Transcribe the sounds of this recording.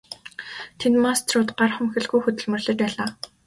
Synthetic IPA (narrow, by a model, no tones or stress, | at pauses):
t̪ʰent̪mast̪ʰrʊːt̪ɢarχə̆mxɘ̆ɮɣujxɵt̪ɵ̆ɮmɵ̆rɮɘ̆t͡ɕpæːɮaː